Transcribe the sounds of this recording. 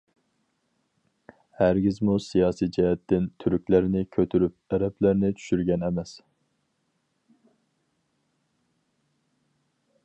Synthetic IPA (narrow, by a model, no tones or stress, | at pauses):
hæɾɡʲizmusijɑːsijd͡ʒɛɦɛt̪ːɪnt̪ʰyɾykʲlæɾnɪkʲʰøt̪ʰyɾyp̚ɛɾɛplæɾnɪt͡ʃ̪ʰy̥ʃyɾɡʲɛnɛmɛs